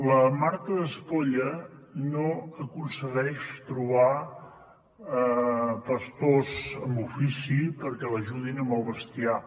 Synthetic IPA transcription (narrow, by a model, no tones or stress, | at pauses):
ləmaɾt̪əðəspoʎənoəkunsəɣɛʃt̪ɾuβa | pəst̪ozəmbufisipəɾkɛləʒuðinəmbəlˠβəst̪ia